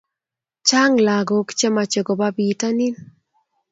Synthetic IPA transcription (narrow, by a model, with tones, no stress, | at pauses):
t͡ʃa˦ŋla˨ɡɔ˨kt͡ʃɛ˦ma˨t͡ʃe˨ɡɔ˨ba˦bi˨ta˦ni˦n